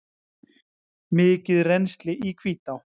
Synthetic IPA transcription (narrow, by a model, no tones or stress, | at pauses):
mɪːcɪðrenst̪lɪʔikʰviːt̪aw